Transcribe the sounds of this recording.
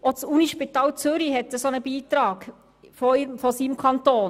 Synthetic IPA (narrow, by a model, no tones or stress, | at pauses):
ʔot͡suniʃpit̪ɑːlt͡søɾiɦɛt̪ːəsɔnəb̥iːt̪ɾɑːɡ̥ | fɔimfɔsimkʰɑnt̪oːn